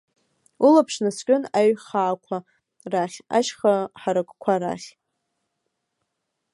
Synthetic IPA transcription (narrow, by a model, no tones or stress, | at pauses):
ulapʰʂnaskʲʼʊnaɥχaːkʷʰa | raχʲa̰ʃχaħaɾakʷʼkʷʰaɾa̰χʲ